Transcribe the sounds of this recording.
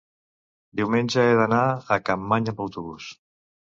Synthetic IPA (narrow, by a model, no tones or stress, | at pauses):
d̪iwmenʲd͡ʒaeðanaakampaɲabawt̪uβus